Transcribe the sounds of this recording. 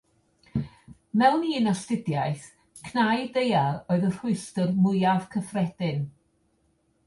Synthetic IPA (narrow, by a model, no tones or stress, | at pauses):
mɛwniɪnɔstɪdjajθ | kʰnajdejaɾoːɨðər̥ʊɨstərmʊjav̥kʰəfrɛd̥ɪn